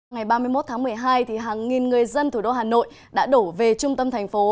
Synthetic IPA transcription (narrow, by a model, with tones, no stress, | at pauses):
ŋa˨˩jɓaː˧mɨ˧jmo˦˥t̚t̪ʰaː˨˦ŋmɨ˨˩əjɦaː˧jt̪ʰi˨˩ɦaː˨˩ŋːi˨˩nŋɨ˨˩əjzə˧nt̪ʰu˧˩ɗo̰˧˩ɦaː˨˩no̰˧˨j | ɗa̰ː˧˥ɗo˧˩ve˨˩t͡ɕʊ˧ŋ͡mt̪ə˧mt̪ʰɛ˨˩jŋ̟fo˨˦